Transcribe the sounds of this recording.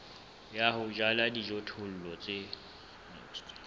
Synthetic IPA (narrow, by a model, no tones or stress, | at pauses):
jahʊd͡ʒaladid͡ʒotʰʊl̩lɔt͡sʼɪ | nɛ̰st